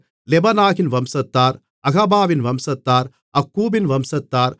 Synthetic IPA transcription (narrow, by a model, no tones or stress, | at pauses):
lebɐnaːkinʋɐmsɐt̪ːaːɾ | ɐɡɐbaːʋinʋɐmsɐt̪ːaːɾ | ɐkːuːbinʋɐmsɐt̪ːaːɾ